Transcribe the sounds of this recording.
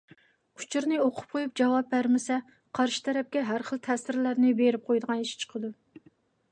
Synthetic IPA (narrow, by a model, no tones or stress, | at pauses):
u̥t͡ʃʰiɾnɨoqʰʊ̥p̚qʰojup̚d͡ʒɑwɑb̚bæɾmɪsɛ | qʰɑɾʃi̥t̪ʰɛɾɛp̚kʲɛɦæɾχəlˠt̪ʰɛsɪɾlæɾnɪbeɾɪp̚qʰojd̪əʁɑniʃt͡ʃʰə̥qʰəd̪u